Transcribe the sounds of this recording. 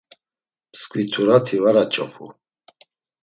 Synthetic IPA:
mskʰwit̪ʰuɾat̪ʰivaɾat͡ʃʼɔ̰pʰṵ

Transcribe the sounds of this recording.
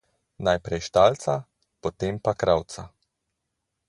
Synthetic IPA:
najpɾɛjʃt̪alt̪sa | pɔt̪empakɾawt̪sa

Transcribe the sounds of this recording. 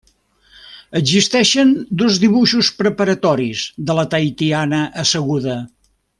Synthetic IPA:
əzist̪ɛʃənd̪ozðiβuʃuspɾəpəɾət̪ɔɾizðələt̪ajt̪ianəʔəsəɣuðə

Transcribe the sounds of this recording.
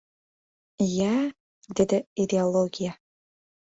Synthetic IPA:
jæ | d̪ed̪ɘid̪ʲeolˠoɡʲija

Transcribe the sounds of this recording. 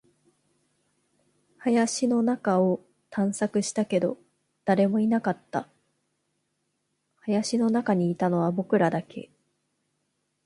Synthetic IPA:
hajaɕino̞nakao̞ | t̪ʰãɰ̃sakɯ̟ɕi̥t̪ake̞d̪o̞ | d̪̥aɾe̞mo̞inakat̪ːa | hajaɕino̞nakaɲ̟iːt̪ano̞βabo̞kɯ̟ɾad̪akʰe̞̰

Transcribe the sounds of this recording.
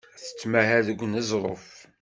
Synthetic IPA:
θə̥t͡sːmæɦæðəɡʷːnəzˤɾˤo̰f

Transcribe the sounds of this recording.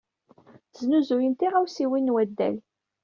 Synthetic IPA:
znuzujənt̪iʁæwsiwinːwæd̪ːæ̰l

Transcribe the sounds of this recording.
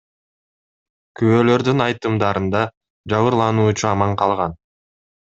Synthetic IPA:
kʰyβøːlø̞ɾd̪ynɑjt̪ɯmd̪ɑɾɯnd̪ɑ | d͡ʒɑβɯɾlˠɑnuːt͡ʃuɑmɑɴqʰɑlˠʁɑn

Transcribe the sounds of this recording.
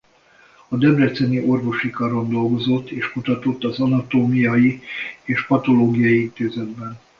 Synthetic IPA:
ɒd̪ɛbrɛt̪sɛniʔo̞rvo̞ʃikɒɾo̞nd̪o̞lɡo̞zo̞t̪ːeːʃkut̪ɒt̪o̞t̪ːɒzɒnɒt̪oːmijɒjieːʃpɒt̪o̞loːɡijɒjiint̪eːzɛd̪̚bɛn

